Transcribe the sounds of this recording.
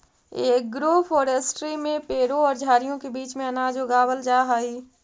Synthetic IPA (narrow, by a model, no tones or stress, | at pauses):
eːk̚ɡɾoːfʰoːɾesʈɾimẽpeːɽõɔːɾd͡ʒʱaːɾijõkebiːt͡ʃmẽɐnaːd͡ʒoːɡaːbəld͡ʒaːɦaːɦiː